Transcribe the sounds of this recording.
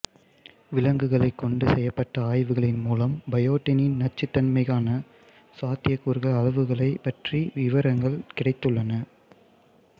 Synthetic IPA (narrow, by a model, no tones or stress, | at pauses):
ʋɪlɐŋɡɯɣɐɭɐɪkːɔɳɖɯsɛjːɐpːɐʈːɐaːjʋɯɣɐɭɪnmuːlɐmbɐjoːʈːɪnɪnnɐt͡ʃːɯt̪ːɐnmɐɪɣaːnɐ | saːt̪ːɪjɐkːuːɾɣɐɭɐlɐʋɯɣɐɭɐɪpɐʈriʋɪʋɐɾɐŋɡɐɭkɪɽɐɪt̪ːɯɭːɐnɐ